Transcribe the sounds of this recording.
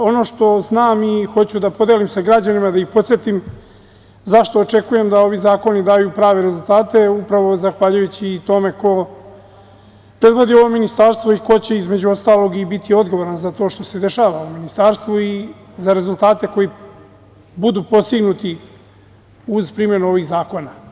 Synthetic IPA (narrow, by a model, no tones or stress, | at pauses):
o̞no̞ːʃt̪o̞znaːmixo̞t͡ɕud̪apo̞d̪elimseɡɾad͡ʑanimad̪aixpo̞t̪sjet̪im | zaʃt̪o̞ːt͡ʃe̞kuje̞md̪ao̞ʋizaːko̞nid̪aːjupɾaːʋe̞ɾe̞zulˠt̪aːt̪e̞upɾaʋo̞zaxʋaʎujut͡ɕiːt̪o̞me̞ko̞ | pɾe̞d̪ʋo̞d̪io̞ʋo̞minist̪aːɾst̪ʋo̞iko̞t͡ɕe̞izme̞d͡ʑuo̞st̪aːlo̞ɡibit̪ʰio̞d̪ɡo̞ʋoɾanzat̪o̞ːʃt̪o̞se̞d̪e̞ʃaːʋauminist̪aːɾst̪ʋui | zaɾe̞zulˠt̪aːt̪e̞ko̞ji | bud̪uːpo̞st̪iɡnut̪i | uzpɾimje̞nuo̞ʋiɣzaːko̞na